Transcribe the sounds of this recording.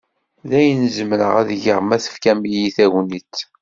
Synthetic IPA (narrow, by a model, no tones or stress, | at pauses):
ðæjənzəmɾə̰ʁæðʝəʁmæθə̥fkæmijiθæwnitː